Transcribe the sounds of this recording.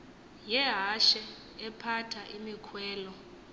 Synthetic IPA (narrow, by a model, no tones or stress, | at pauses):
jɛɦaʃɛ | ɛpʰatʰaʔimikʰwɛːlɔ